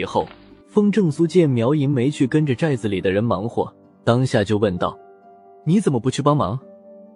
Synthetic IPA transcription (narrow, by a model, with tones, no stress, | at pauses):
xo˥˩ʊfɤ˥ŋʈ͡ʂɤ˥˩ŋsu˥t͡ɕjɛ˥˩mjɑ˧˥ʊi˧˥ŋme˧˥ɪt͡ɕʰy˥˩kə˥nʈ͡ʂə˨ʈ͡ʂa˥˩ɪd͡zɹ̩˩li˨˩d̪ə˦ɻə˧˥nmɑ˧˥ŋxwɔ̰˥˩ | t̪ɑ˥ŋɕja˥˧˩t͡ɕjo˥˧ʊwə˥˧nt̪ɑ̰˥˩ʊ | ni˧˥t͡sə˨˩nmə˦pu˧˥t͡ɕʰy˥˩pɑ˥ŋmɑ̰˧˥ŋ